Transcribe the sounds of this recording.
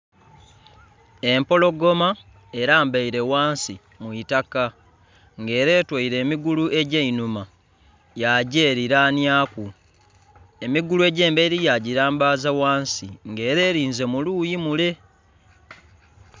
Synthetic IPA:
e̞mpo̞lo̞ɡo̞ma | e̞ɾaːmbaiɾe̞waːnsi | mwuitaka | ŋɡe̞ːɾe̞ːtweiɾe̞ːmiɡuluʔe̞ɟeinuma | jaɟeːɾiɾaːnjaːku | e̞miɡulue̞ɟe̞ːmbeɾijaɟiɾaːmbaːzawaːnsiŋɡe̞ːɾe̞ːɾiːnze̞muluːjimule̞

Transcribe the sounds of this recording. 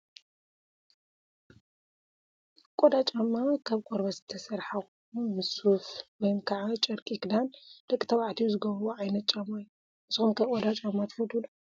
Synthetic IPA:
kʼod̪at͡ʃʼamːakʰaβkʷʼoɾbɐzɨt̪ʰɐsɐɾħax | umɨsufwɔjmkʰaʕat͡ʃʼɐɾkʼikd̪and̪̥ɐkʼit̪ʰɐβaʕt̪ʰijuzɨɡɐββoʕajnɐt̪̚t͡ʃʼɐmaju | ʔɨsɨxumkʰɐβkʼod̪at͡ʃʼamːat̪ʰfɐd̪ulu

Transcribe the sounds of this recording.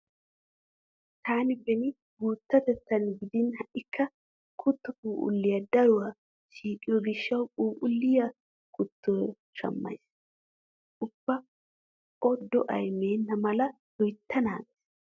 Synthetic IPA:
t̪aːnɪbɛnɪ | ɡuːt̪ːɐt̪ɛt̪ːɐnɡɪd̪ɪnhɐʔɪkːɐ | kʰʊt̪ːʊkʼuːʔʊ̰lːɪjɐd̪ɐɾʊwɐ | ʃiːkʼːɪjɔɡɪʃːɐwkʼuːʔʊlːɪjɐ | kʊt̪ːo | ʃɐ̰mːɐ̰js | ʊbːɐ | ɔd̪ɔʔɐ̰jmeːnːɐmɐlɐ | d̪ɔjt̪ʰːɐnaːns

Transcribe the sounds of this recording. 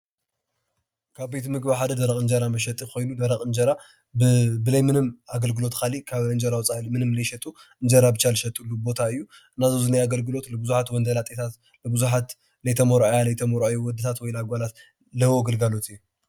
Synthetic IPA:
kʰaβbejt̪ʰmɨɡbaħad̪ɐd̪ɐɾɐkʼɨnd͡ʒɐɾamɐʃ̬ɐt̪ʼixo̞jnud̪ɐɾɐχʼɨnd͡ʒɐɾa | ɨbɨlɐjmɨnɨmaɡɐlɡɨlo̞t̪kʰalikʰaβɨnd͡ʒɐɾawt͡sʼalimɨnɨmɨlɐjʃɐt̪ʼuɨnd͡ʒɐɾabɨt͡ʃalɨʃɐt̪ʼulːubo̞t̪ʰaɨjːu | ɨnazozɨnajaɡɐlɡɨlo̞t̪lɨbɨzuħat̪wɔnd̪ɐlat̪ʼet̪ʰat̪ | lɨbɨzuħat̪ | lɐjt̪ʰɐmɐɾajalɐjt̪ʰɐmoɾuajowɔd̪ɨt̪ʰat̪wɔjlaɡʷalat̪ | lɐhwoɡɐlɡalo̞t̪ʰɨjːu

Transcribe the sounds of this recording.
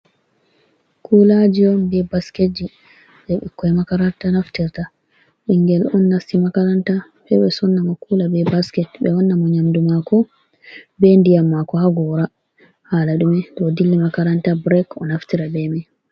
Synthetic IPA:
kʰulad͡ʒiɔnbɛbasked͡ʒi | ɓɛɓḭkːɔɛmakaɾantanaftiɾta | ʔiŋɡɛlɔnːasimakaɾanta | ɓɛɓɛsɔnːamɔkuːlabɛbaskɛtɓɛwɔnːamɔɲamdumakɔ | bɛndijamːakɔhaɡɔɾa | haːlaɗumɛdɔdilːimakaɾantabɾɛkɔ̰naftiɾabɛmɛ

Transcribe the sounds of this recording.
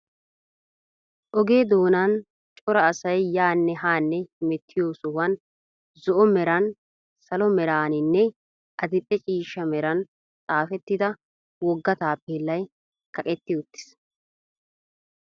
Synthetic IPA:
ʔɔɡe̞ːd̪o̞ːnɐn | t͡ʃʼɔɾɐːsɐjjaːnːɛɦaːnːɛhɪmɛt̪ʰːɪjoːsʊwɐn | zɔʔɔmɛɾɐn | sɐlɔmɛɾaːnɪnːɛ | ʔɐd̪ɪpʼːɛt͡ʃʼiːʃːɐmɛɾɐn | t͡sʼaːfɛt̪ːɪd̪ɐ | wɔɡːɐt̪aːpːeːlːɐj | kɐkʼɛt̪ːɪʊt̪ːɪ̥s

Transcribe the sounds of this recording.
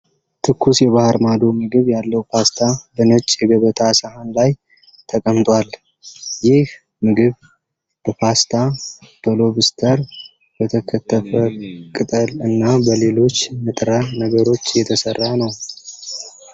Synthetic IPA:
t̪ʰɨkːusjɛβahɾmad̪o̞mɨɡɨβjalːəwpʰast̪ʰabənot͡ʃʼːjɛɡəβət̪ʰasəhanlaj | t̪ʰəkʼəmt̪ʼwal | jɪh | mɨɡɨβ | b̥əpʰast̪ʰat̪ʰolo̞βɨst̪ʰəɾ | b̥ət̪ʰəkʰət̪ʰːəfəkʼɨt̪ʼəlɨnːabəle̞lo̞t͡ʃːmɨt̪ʼɾanəɡəɾo̞t͡ʃːjɛt̪ʰəsərːanəw

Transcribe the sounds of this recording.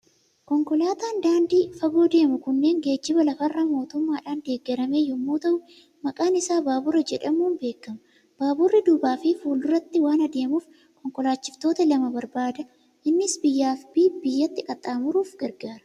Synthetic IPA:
kɔŋkɔlaːt̪aːnd̪aːnd̪iːfɐɡo̞ːd̪e̞ːmʊkʊnːe̞ːŋɡe̞ːd͡ʒːɪbɐlɐfɐrːɐmo̞ːt̪ʊmːaːᶑaːnd̪e̞ːɡːɛɾɐme̞ːjʊmːuːt̪ɐʔʊ | mɐkʼaːnɪsaːbaːbʊrːɐd͡ʒɛᶑɐmuːnbeːkːɐmɐ | b̥aːbʊrːɪd̪ʊbaːfɪfuːlʊrːɐt̪ːɪwaːnɐd̪e̞ːmuːf | kɔŋkɔlaːt͡ʃːɪft̪o̞ːt̪ɐlɐmɐbɐɾbaːd̪ɐ | ʔɪnːɪsbɪjːaːfbiːbɪjːɐt̪ːɪkʼɐt̪ʼːaːmʊɾuːfɡɐɾɡaːɾɐ̥

